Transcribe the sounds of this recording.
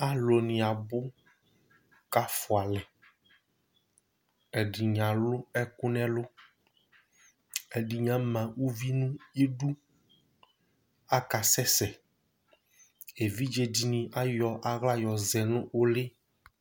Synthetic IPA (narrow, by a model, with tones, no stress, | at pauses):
a˨lo˨nĩ˨a˨bʊ˦ | ka˦fʊ˨a˨lɛ˨ | ɛ˨ɖi˨ɲã˨lʊ˦ɛ˦kʊ˦nɛ̃˦lʊ˦ | ɛ˨ɖi˨ɲã˦mã˨wu˦vi˦nũ˦je˦ɖu˦ | a˦ka˨sɛ˦sɛ˨ | e˨vi˦d͡ʒe˦di˨nĩ˨ʔa˦jɔ˨ʔa˨ɣla˦jɔ˨zɛ˨nũ˦wo˦lɪ˦